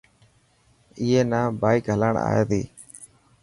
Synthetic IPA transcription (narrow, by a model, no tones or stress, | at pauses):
ɪːeːnaːbaːɪkɦələɳa̰ːjḛːt̪iː